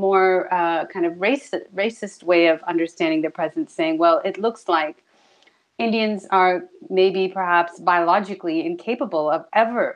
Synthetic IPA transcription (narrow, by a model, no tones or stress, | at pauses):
mɔɹʌkʰãɪ̃ndʌvɹeɪsɨɹeɪsɨst̚weɪʌvʌ̰̃ndə˞stæ̃ndɪ̃ŋðɨpʰɹ̥ɛzɨ̃n̩tseɪɪ̃ŋwɛlˠɪtˡlʊkslaɪk | ɪ̃ndiɨ̃nzə˞meɪbipʰə˞ɦæpsbaɪəlɑd͡ʒɨkliɨ̃nkʰeɪpəbl̩ˠʌvʔɛvə˞